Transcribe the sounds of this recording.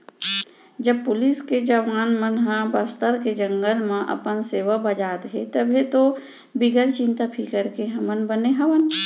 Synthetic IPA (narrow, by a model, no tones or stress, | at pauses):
d͡ʒəb̚pʊlɪsked͡ʒɐʋaːnmənɦə̃bəst̪əɾked͡ʒə̃ŋɡəlmẽʔɐ̰pənseːʋəbəd͡ʒaːt̪ɦet̪əbʱet̪o | bɪɡəɾt͡ʃɪ̃nt̪apʰikəɾkeɦɐmənbəneɦɐʋən